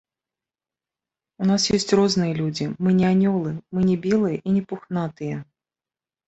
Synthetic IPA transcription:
unasjesʲtʲrɔznɨjəlʲud͡zʲɪmɨnʲɪanʲɔlˠɨmɨnʲɛbʲelˠɨjəʔinʲɪpʊxnat̪ɨjə

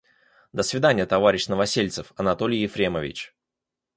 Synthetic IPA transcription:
d̪əsvʲɪd̪anʲɪjət̪ɐvaɾʲɪɕnəvɐsʲelʲt̪sɨfɐnɐt̪olʲɪjɪfɾʲeməvʲɪ̰t͡ɕ

